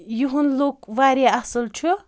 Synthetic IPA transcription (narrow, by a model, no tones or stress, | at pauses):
juɦunloːkʋaːɾaɐsɨlt͡ʃʰu